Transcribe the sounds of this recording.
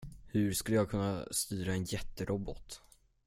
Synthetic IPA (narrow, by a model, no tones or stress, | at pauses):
hɵ̟ɾskɵlːəjɑːɡkʰɵnːa̰st̪yːɾaɛnjɛt̪ːəɾʔɔbɔt̪